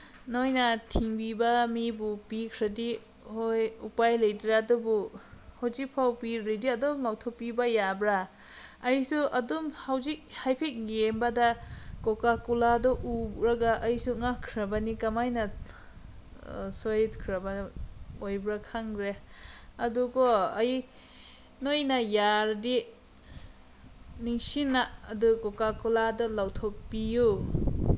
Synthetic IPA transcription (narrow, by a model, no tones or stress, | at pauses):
nojnatʰiŋbibɐmibupikʰɾadi | hojupajlɐjdɾaɐdubuhozik̚pʰawpiɾidiɐdomlawtʰopibajabɾaː | jsuʔɐdumhawzik̚hajpʰek̚jembadakokakuladɔʔuɾaɡaʔɐjsuŋakʰːɾɐbɐnikamajnɐ | sojdkʰɾabanojbɾakʰaŋɡɾeɐduɡɔɐj | nojnajaɾdi | niŋsinaːdukokakuladɔlawtʰopːiju